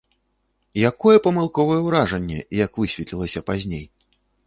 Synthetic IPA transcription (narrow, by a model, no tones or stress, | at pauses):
jakɔjɛpɐmɨlˠkɔvɐjɛwɾaʐɐnʲːɛ̰jɐkvɨsʲvʲɛt̪lʲilˠɐsʲɐpazʲnʲej